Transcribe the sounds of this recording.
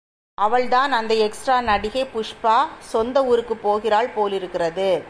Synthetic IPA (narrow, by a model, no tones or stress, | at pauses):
ɐʋɐɭt̪aːnɐnd̪ɐɛksʈɾaːnɐɽɪɣepʊʂpaːsɔnd̪ɐuːɾɯkːɯpːoːɣɪraːɭpoːlɪɾɯkːɪrɐðɯ